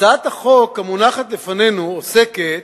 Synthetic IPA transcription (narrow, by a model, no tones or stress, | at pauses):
aːt̪haχo̞khamunaχat̪lefanenuoseket̪